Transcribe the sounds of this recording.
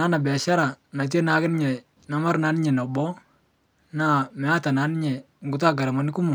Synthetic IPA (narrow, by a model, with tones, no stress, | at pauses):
na˦na˨bɛ˨a˨ʃa˦ɾa˨na˨t̬e˦na˨˦kɪ˦nɪ˦ɲɛ˨ | na˨ma˦ɾna˨˦nɪ˦ɲɛ˨nɔ˨bɔ˦ | na˦˨mɛ˨a˦ta˨na˨˦nɪ˦ɲɛ˨ | ŋ˨ɡʊ˦ta˦ɡa˨ɾa˨ma˨nɪ˦kʊ˦mʊ˨